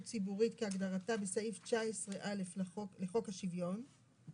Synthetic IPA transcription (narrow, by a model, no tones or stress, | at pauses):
t͡sibuʁitkeaɡdaʁatabesaift͡ʃaesʁeʔaleflle̞χo̞khaʃivjo̞n